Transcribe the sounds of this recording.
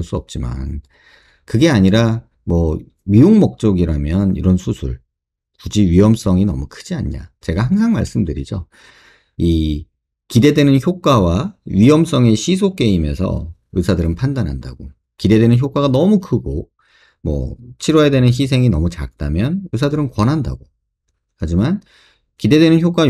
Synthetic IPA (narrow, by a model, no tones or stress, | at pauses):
ɭs͈uʌp̚t͡ɕ͈ima̰n | kɯɡe̞aɲiɾa | mwʌ | ɥioŋmʌk̚t͡ɕ͈oɡiɾamjʌnḭɾʌnsʰusʰuɭ | pud͡ʑiɥiɦʌms͈ʌŋinʌmukʰɯd͡ʑia̰ɲɲa̰t͡ɕe̞ɡahaŋsʰaŋma̰ɭs͈ɯmdɯɾid͡ʑo | i | kide̞dwe̞nɯnçjok͈wawaɥiɦʌms͈ʌŋe̞ɕʰisʰok͈e̞ime̞sʰʌ̰ɯsʰadɯɾɯnpʰandanɦanda̰ɡ̥o | kide̞dwe̞nɯnçjok͈waɡanʌmukʰɯɡo | mʌ̰t͡ɕʰiɾʌedwe̞nɯnɕ̬isʰe̞ŋinʌmut͡ɕa̰k̚t͈amjʌnɯs̬ʰadɯɾɯnkwʌnɦanda̰ɡo | had͡ʑiman | kide̞dwe̞nɯnçjok͈wa